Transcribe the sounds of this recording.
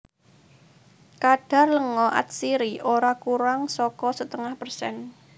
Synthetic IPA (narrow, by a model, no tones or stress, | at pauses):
kaɖ̥a̤rləŋɔʔa̰t̪̚siɾiʔoɾakuɾaŋsɔkɔsət̪əŋahpərsɛ̰n